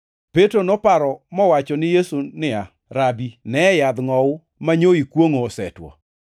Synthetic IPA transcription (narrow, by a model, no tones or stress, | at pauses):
petɾonɔpaɾɔmɔwat͡ʃɔnɪjesunɪa | ɾabinɛjad̪ŋɔʊ | maɲoikwoŋoːsɛ̰twɔ̰